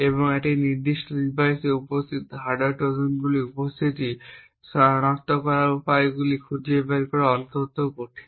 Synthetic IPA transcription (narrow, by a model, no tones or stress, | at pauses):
eβoŋeʈiniɾd̪iʃʈod̪ibajseupost̪ʰit̪ɦaɖaɾʈodonɡuliupost̪ʰit̪i | ʃɔñakt̪okɔɾaɾupaeɡulikʰud͡ʑebaɾikɔɾeɔnt̪ot̪okoɾʈʰe̥